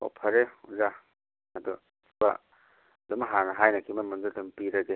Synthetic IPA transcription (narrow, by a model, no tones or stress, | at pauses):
o̰pʰɐɾeuza | ɐdu | sba̰ | dɐmɦanɐɦajnɐkʰimɐnmundɐtɐmpiɾɐɡe